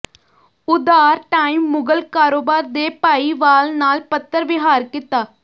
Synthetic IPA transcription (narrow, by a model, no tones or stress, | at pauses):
ʊd̪aːɾʈaːiːmːʊɡəlkaːɾoːbaːɾd̪eːpaːiːʋaːlnaːlpət̪ːəɾʋɪɦaːɾkɪt̪aː